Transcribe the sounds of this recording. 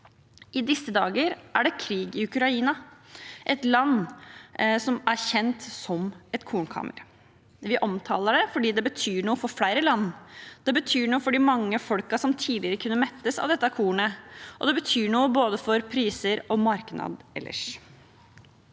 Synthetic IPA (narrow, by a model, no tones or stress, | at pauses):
ʔɪd̪ɪsːəd̪ɑːɡəɾʔæɖɛkʰɾiːɡɪʉkɾɑiːnɑʔɛt̪lɑnː | sɔmæɾçɛnt̪sɔmɛt̪kʰuːnkʰɑ̰ːmə̰ɾ | ʋɪʔɔmt̪ʰɑ̰ːləɖɛfɔɖiːd̪ɛbət̪ʰyːɳuːəfɔɾflæɪɾəlɑnːd̪̥ɛbət̪ʰyːɳuːəfɔɖimɑŋːəfɔlkɑsɔmt̪ʰiːd̪lɪəɾəkʰʉnːəmɛt̪ːəsɑ̰ʋd̪ɛt̪ːɑkʰuːɳəʔɔd̪ɛbət̪ʰyːɳuːəboːd̪əfɔɾpʰɾiːsəɾɔmɑɾknɑ̰d̪ɛ̰lːə̰ʂ